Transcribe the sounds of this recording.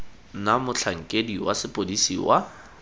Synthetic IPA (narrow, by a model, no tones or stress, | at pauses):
namʊt͡ɬʰaŋ̩kʼediwasɪpʼodisḭwʔa